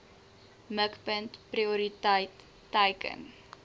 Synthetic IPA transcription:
məkpəntpriuɾitəjtː | ɐjkə̰n

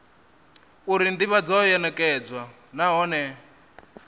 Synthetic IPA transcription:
uɾind̪iβad͡zɔjɛnɛkʼɛd͡zwa | naɦɔnɛ

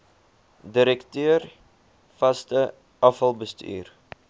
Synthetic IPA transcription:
diɾɛktøər | fɐstə | ɐfɐlˠbəsty̰ːr

